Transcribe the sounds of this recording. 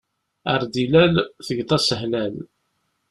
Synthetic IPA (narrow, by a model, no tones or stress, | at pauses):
əɾd̪ilælθəʝt̪ˤɑsəɦnæl